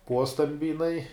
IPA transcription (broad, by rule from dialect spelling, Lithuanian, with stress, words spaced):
ˈpuɔstɐmʲbʲɪ jɪˈnɐɪ